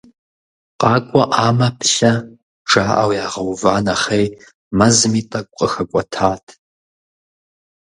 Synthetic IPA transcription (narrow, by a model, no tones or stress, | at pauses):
qʼɑːkʷʼɔʔaːmɐpʰɬɐ | ʈ͡ʂaːʔa̰wjaːʁɐwvaːnɐχej | mɐzɨmiːtʼɐkʷʼqʼəxɐkʷʼɔtʰaːtʰ